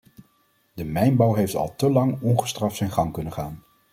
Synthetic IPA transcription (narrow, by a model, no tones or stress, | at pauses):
dəmɛjnbɑwɦejftɑ̰lˠtəlɑŋɔnχə̥strɑftsɛjnχɑŋkɵnənχaːn